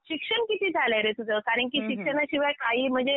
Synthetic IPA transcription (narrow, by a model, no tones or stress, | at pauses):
ɕikʂəɳkit̪ʰiːd͡zʱalaɾet̪ud͡zakaɾəɳkiːɕikʂənaɕiʋajkaɦiːm̤əɳd͡ze